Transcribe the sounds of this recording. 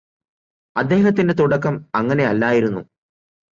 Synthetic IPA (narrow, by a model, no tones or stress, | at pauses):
ɐd̪ːe̞ːɦɐt̪̬ːinde̞t̪uɽɐkːɐmɐŋːɐne̞ɐlːaːjiɾunːṵ